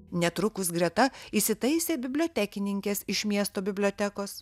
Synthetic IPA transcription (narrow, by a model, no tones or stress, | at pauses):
nʲɛt̪ɾʊkʊsɡɾʲɛt̪ɐisʲɪt̪ɐɪsʲeːbʲɪbʲlʲoːt̪ʲækʲɪnʲɪŋʲkʲɛsɪʃmʲiɛst̪oːbʲɪbʲlʲoːt̪ʲækoːs